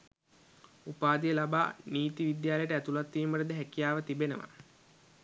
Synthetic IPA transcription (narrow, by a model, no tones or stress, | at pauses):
upaːd̪ijəlaba̰ːniːt̪iʋid̪jaːlejʈəæt̪ulat̪ːiːmbəʈəd̪əɦækijaːʋət̪ibenə̰ʋa̰